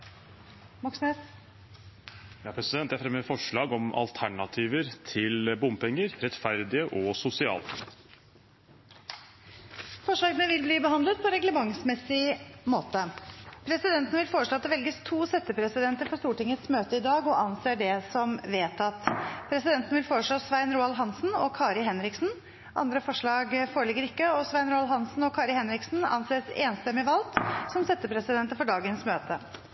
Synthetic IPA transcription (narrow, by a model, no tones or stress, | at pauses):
mɑksnes | jɑpʰɾɛsɪd̪ɛnt̪ːæfɾɛməfɔʂɭɑːɡɔmɑ̰lt̪ʰæɳɑt̪ʰiːʋəɾt̪ʰɪlbʊmpɛŋːəɾɾɛt̪fæɾd̪ɪəʔɔsʊsɪɑ̰ːlə | fɔʂɭɑːɡənəʋɪlbliːbəɦɑnd̪lət̪̚pʰɔɾɛɡləmɑŋsmɛsɪmoːt̪əpʰɾɛsɪd̪ɛnt̪ənəʋɪlfoːɾəʂɭoːɑt̪d̪ɛʋɛlɡəst̪ʰuːsɛt̪ːəpʰɾɛsɪd̪ɛnt̪əɾfɔʂt̪uːʈɪŋːət̪smøːt̪əɪd̪ɑːɡɔɑnseːɖɛsɔmʋeːt̪ɑt̪pʰɾɛsɪd̪ɛnənʋɪlfoːɾəʂɭoːsʋæɪnɾuːɑlɦɑnsn̩ɔ̰kʰɑːɾɪɦɛnɾɪksn̩ | ʔɑ̰nd̪ɾəfɔʂɭɑːɡfoːɾəɭɪɡːəɾɪkːəɔsʋæɪnɾuːɑlɦɑnsn̩ɔkʰɑːɾɪhɛnɾɪksn̩ɑ̰nseːsḛːnst̪ɛmɪʋɑlt̪sɔmsɛt̪ːəpʰɾɛsɪd̪ɛnt̪əɾfɔɖɑːɡənsmøːt̪ə